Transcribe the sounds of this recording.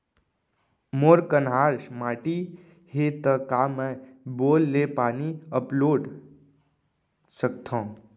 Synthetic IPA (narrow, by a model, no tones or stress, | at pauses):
moːɾkənɦaːɾsmaːʈi | het̪əkamɛ̃boːlːepaːniəploːɖ | səkt̪ʰãː